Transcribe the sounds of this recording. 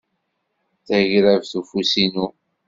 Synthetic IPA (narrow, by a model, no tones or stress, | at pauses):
θæʝɾævθufusinu